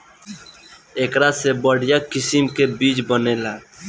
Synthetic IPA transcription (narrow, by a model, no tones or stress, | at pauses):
eːkɾasebəɽjakɪsimkebiːt͡ʃbəneːla